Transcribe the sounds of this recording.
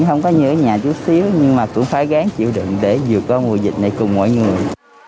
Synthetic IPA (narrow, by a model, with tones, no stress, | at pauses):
xə˧wŋ͡mkɔ˨˦ɲɨ˧˥kːɲaː˨˩t͡ɕu˨˦t̚si˨˦əwɲɨ˧ŋmaː˨˩kʊ̰˧˥ŋ͡mfaː˧˩jɣaː˨˦ŋt͡ɕḭ˧˨əwɗɨ̰˧˨ŋɗe˧˩zɨ˨˩ək̚ːɔ˧mṵ˨˩jzï˨˩k̟̚na˨˩jkʊ˨˩ŋ͡mmɔ̰˧˨jŋɨ˨˩əj